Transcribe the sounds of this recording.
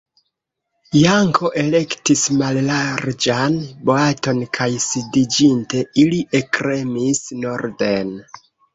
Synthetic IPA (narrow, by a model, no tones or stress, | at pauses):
jaŋkʰo̞ʔe̞le̞ktismallaɾd͡ʒanboato̞nkʰajsidid͡ʒinte̞iliʔekɾe̞misno̞ɾde̞n